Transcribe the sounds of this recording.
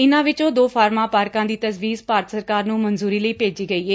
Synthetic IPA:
ɪnãːʋɪt͡ʃõːd̪oːpʰaːɾmãːpaːɾkãːd̪iːt̪əsʋiːzpaːɾət̪səɾkaːɾnũːmənzuːɾiːləiːpeːd͡ʒiːɡəiːɦeː

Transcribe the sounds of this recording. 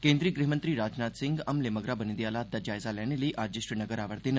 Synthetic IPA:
kẽːnd̪ɾiːɡɾiɦmənt̪ɾiːɾaːd͡ʒnaːt̪sɪ̃ŋɡɐmlemɐɡɾabənid̪ialaːt̪̚d̪ɐd͡ʒaːjzalɛneliːʔaːd͡ʒiʃɾənɐɡəɾaːʋəɾt̪en

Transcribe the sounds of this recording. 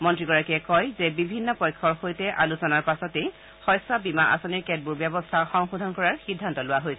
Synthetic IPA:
mɔntɹiɡɔɹakiɛkɔjzɛbibʱinːɔpɔjkʰːɔɹxojtɛʔalusɔnaɹpasɔtej | xɔjsabimaʔa̰sɔniɹkɛt̚buɹbjɛbɔstʰaxɔŋxudʱɔnkɔɹaɹxidʱːantɔlʊwaɦojsɛ

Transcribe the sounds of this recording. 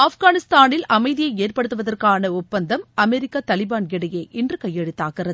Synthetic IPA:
aːfɣaːnɪst̪aːnɪlɐmɐɪðɪjɐɪeːrpɐɽɯt̪ːɯʋɐðɐrkaːnɐʊpːɐnd̪ɐmɐmɛɾɪkːat̪ɐlɪbaːnkɪɽɐjeːʔɪndrɯkɐjːɛɽɯt̪ːaːɣɪrɐð

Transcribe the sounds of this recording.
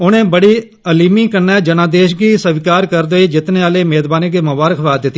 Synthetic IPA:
ʊnẽːbəɽiː | əliːmiːkənːɛːd͡ʒənãːd̪eːʃɡiːsəʋkaːɾkəɾd̪oiːd͡ʒɪt̪neːaːleːmeːzbaːneːɡiːmʊbaːɾəkʰʋaːd̪ɪt̪ːi

